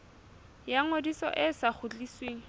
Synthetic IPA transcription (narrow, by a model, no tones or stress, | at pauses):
jaŋodisɔ̰ʔɪsaχʊt͡ɬisweːŋ̩